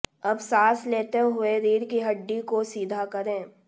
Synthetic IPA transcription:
ɐbsaːsleːt̪eɦʊeɾiːɽkiɦɐɖːikosiːd̪ʱakɐɾẽː

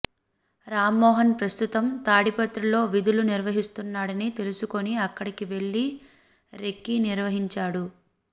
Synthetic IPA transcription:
ɾaːmːɔːɦɐnpɾɐst̪ut̪ɐmt̪aːɽipɐt̪ɾɐlo̞ːʋid̪uluniɾʋɐɦist̪unːaːɽɐnit̪e̞lusuko̞niɐkːɐɽikiʋe̞ɭːi | ɾe̞kːiniɾʋɐɦiɲt͡ʃaːɽu

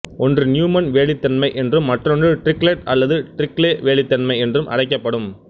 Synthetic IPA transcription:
ɔndrɯnjuːmɐnʋeːɭɪt̪ːɐnmɐɪʔɛndrɯmːɐʈrɔndrɯʈɾɪkɭeʈ̚ɐlːɐðɯʈɾɪkleːʋeːɭɪt̪ːɐnmɐɪɛndrɯmʔɐ̰ɽɐɪkːɐpːɐɽɯm

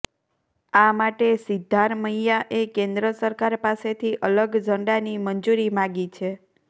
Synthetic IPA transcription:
amaʈesɪd̪ʱːaɾməijaʔekẽnd̪ɾəsəɾkaɾpaset̪ʰiʔələɡd͡ʒʱəɳɖanimənd͡ʒuɾimãɡit͡ʃʰe

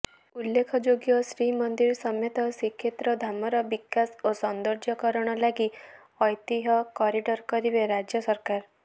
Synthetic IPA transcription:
ulːekʰɔd͡ʒoɡjɔsɾimɔnd̪iɾsɔmjɔt̪ɔsikʰːet̪ɾɔd̪ʱamɔɾɔbikasosɔnd̪ɔɾd͡ʒɔkɔɾɔɽ̃ɔlaɡi | ɔjt̪iɦɔkɔɾiɖɔɾkɔɾibeɾad͡ʒjɔsɔɾkaɾ

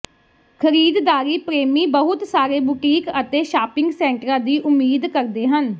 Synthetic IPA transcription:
kʰəɾiːd̪d̪aːɾiːpɾeːmiːbəɦʊt̪saːɾeːbʊʈiːkət̪eːʃaːpɪ̃ŋɡsɛ̃ːɳʈɾãːd̪iːʔʊmːiːd̪kəɾd̪eːɦən

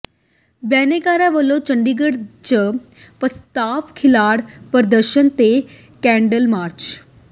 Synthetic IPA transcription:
bɛːneɡaːɾaʋəlot͡ʃəɳɖiɡəɽt͡ɕəpəst̪aːʋkʰilaːɽpəɾd̪əɾʃənt̪e | kɛ̃ɳɖəlmaːɾt͡ʃ

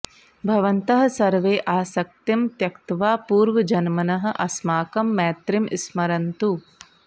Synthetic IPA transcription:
bʱɐʋɐnt̪ɐɦɐ̆sɐɾʋeːʔaːsɐk̚t̪ɐmt̪jɐkt̪ʋaːpuːɾʋɐd͡ʒɐnmɐnɐɦɐ̆ʔɐsmaːkɐmːɛːt̪ɾimḭsmɐɾɐnt̪u

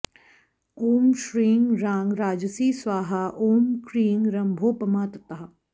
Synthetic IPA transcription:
oːmʃɾiːŋɡɾãːŋɡɾaːd͡ʒsiːsʋaːɦaʔoːmkɾiːŋɡɾɐ̃mbʱoːpɐmaːt̪ət̪ɐɦa

